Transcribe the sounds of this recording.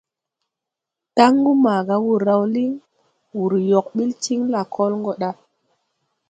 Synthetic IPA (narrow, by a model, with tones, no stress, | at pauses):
ta˦ŋɡu˦maː˨ɡa˨wu˨ɾa˨wli˦ŋ | wu˨ɾjo˨k̚ɓi˦lt͡ʃi˦ŋla˨kʰo˦lŋɡo˦ɗa˦